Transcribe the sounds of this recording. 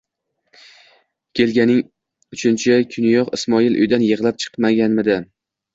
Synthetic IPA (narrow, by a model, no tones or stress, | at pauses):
kʲʰe̞lɡʲanɪŋ | ʊt͡ʃʰɪnt͡ʃʰɪkʲʰʊnjɒqɪ̰smɒilˠʔʊ̰jd̪anjɨʁlˠap̚t͡ʃʰɨ̥qmaɡʲanmɪd̪ɪ